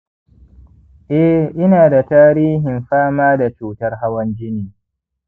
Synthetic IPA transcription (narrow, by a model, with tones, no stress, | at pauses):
ʔɛ˦ʔɪ˦naː˨da˨taː˦ɾiː˦ɦɪ˨mɸaː˦maː˦da˨t͡ʃuː˦tɐ˦rɦa˦wɐ˦nd͡ʒɪ˦niː˨